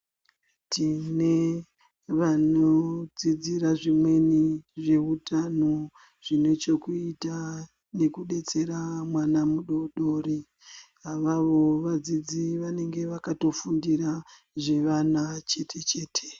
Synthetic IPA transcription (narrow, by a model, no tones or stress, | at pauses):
tine̞ | ʋanod͡zid͡ziɾaʐimwe̞niʐe̞utano | ʐ̥ine̞t͡ʃo̞kuita | ne̞kuɗe̞t͡se̞ɾamwanamuɗoɗo̞ːɾi | aʋaʋo̞ʋad͡zid͡ziʋane̞ŋɡe̞ʋakato̞fundiɾa | ʐe̞ʋanat͡ʃe̞tʰe̞t͡ʃe̞ːtʰe̥